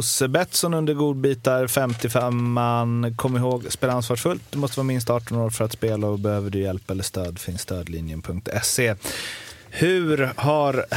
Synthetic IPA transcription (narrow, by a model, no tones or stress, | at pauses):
ʊsbɛt̪sɔnɵnd̪əɾɡuːd̪̚biːt̪aɾfɛmt̪ɪfɛmːanːkʰɔmːɪɦoːɡspeːlaansvɑːʂfɵlt̪̚d̪ɵmɔst̪əvːɾamɪns̬t̪ɑːʈːɔnoːɾfœɾat̪speːlaɔbɛhøːvəɖɵjɛlpaɛlːəʂt̪øːd̪fɪnst̪øːd̪lɪ̰njənpʰɵŋk̚t̪ʰɛsːeː | hɵɾhaɾ